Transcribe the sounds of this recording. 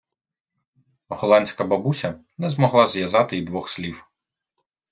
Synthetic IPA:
ɦɔlˠɑnʲsʲkɐbɐbusʲɐ | nɛzmɔɦlˠɑzjɐzɑt̪ɪid̪ʋɔxslʲiw

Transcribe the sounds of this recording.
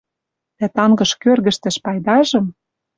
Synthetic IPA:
t̪æt̪ɑŋɡɤ̆ʃkørɣɘ̆ʃt̪ɘ̆ʃpɑjd̪ɑʒɤ̆m

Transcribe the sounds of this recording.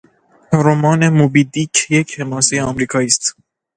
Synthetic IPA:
ɾomɒːnemubid̪ikʰjecʰhemɒːsejeɒmɾiːkʰɒːiːst̪

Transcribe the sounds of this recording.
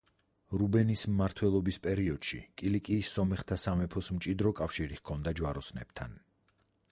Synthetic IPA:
ɾubɛnismːaɾt̪ʰwɛlˠɔbispʼɛɾiɔd̪̥ʃḭkʼilikʼiːsːɔmɛχt̪ʰasamɛpʰɔsmt͡ʃʼid̪ɾɔkʼafʃiɾihkʰɔnd̪ad͡ʒwaɾɔsnɛ̰b̥t̪ʰa̰n

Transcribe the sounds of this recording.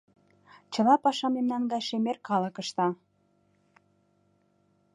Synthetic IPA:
t͡ɕə̆lɑpɑʃɑmemnɑnɡɑjʃemerkɑlə̆kə̆ʃt̪ɑ

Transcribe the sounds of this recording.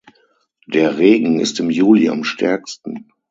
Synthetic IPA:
d̥eːɐʁeːɡŋ̩ɪ̰stɪmjuːlia̰mʃtʰɛɐkstn̩

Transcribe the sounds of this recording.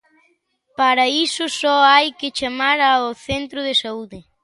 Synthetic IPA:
paɾɐisʊsɔajkɪt͡ʃamaɾaoθent̪ɾʊðesauðɪ

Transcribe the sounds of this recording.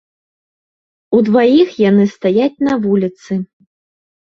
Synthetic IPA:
ud̪vajixjanɨst̪ajat͡sʲn̪ɐvulʲit̪sɨ

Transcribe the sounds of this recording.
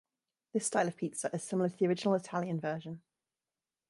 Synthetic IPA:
ðɪstaɪləv̥pʰiˑtsəʔɪz̥sɪ̃ml̩əθiəɹɪd͡ʒɪnəlɪtʰaljə̃nvɜːˑʒə̃n

